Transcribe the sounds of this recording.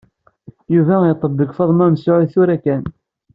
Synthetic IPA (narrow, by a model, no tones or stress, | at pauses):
juvæət̪ˤːəbːəkfɑðˤmæmsʊʕiθʊɾækæn